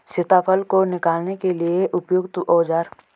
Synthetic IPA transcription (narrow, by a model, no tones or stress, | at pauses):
sɪt̪aːpʰəlkonɪkaːlnekelieʔʊpjoɡt̪ʔɔːd͡ʒaːɾ